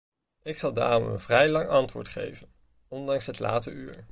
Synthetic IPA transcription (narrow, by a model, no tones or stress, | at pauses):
ɪksɑlˠda̰ːrɔmə̰nvrɛjlɑŋʔɑntʋʊ̰ːɹtχḛjvən | ɔndɑŋsɦətla̰ːtə̰yːɹ